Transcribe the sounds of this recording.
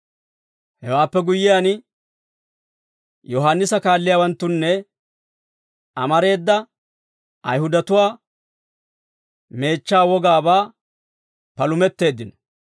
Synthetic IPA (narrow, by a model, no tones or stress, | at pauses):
hɛ̰waːpːɛɡʊjːɪjaːn | jɔɦanːɪsɐkaːlːɪjaːwɐnt̪ːʊnːɛ | ɐmɐɾe̞ːd̪ːɐ | ɐjhʊd̪ɐt̪ʊwaː | me̞ːt͡ʃːaːwɔɡaːbaː | pɐlʊmɛt̪ːe̞ːd̪ːɪnɔ